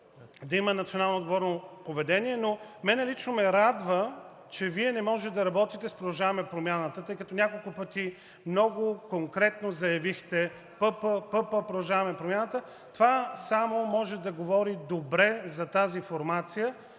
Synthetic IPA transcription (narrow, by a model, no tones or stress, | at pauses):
d̪ɐimənɐt̪sionalˠnoːd̪ɡovɔɾnopovɛd̪ɛniɛnomɛnɛlit͡ʃnomɛɾad̪və | t͡ʃɛviɛnɛmɔʒɛt̪d̪ɐɾɐbɔt̪it̪ɛspɾod̪ɐʒavɐmɛpɾomʲjanət̪ət̪ɤjkɐt̪ɔnʲakolˠkʊpət̪i | mnɔɡʊkoŋkɾɛt̪nozɐjɐvixt̪ɛ | pɤpəpɤpəpɾod̪ɐʒavɐmɛpɾomjanət̪ə | t̪ovasamomɔʒɛd̪ɐɡovɔɾid̪obɾɛzɐt̪azifoɾmat̪sijə